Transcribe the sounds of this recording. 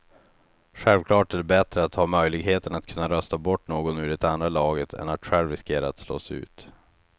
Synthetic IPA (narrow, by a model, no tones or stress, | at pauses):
ɧɛlvkʰlɑːʈɛlɛbɛt̪ɾəat̪hɑːmœjlɪɡɦeːt̪ənat̪̚kʰɵnːaɾœst̪abɔʈːnoːɡɔnʉɾɪt̪and̪ɾalɑːɡət̪ʰɛ̰nat̪ɧɛlɾɪskeːɾaat̪slo̰ːsʉ̟̰ːt̪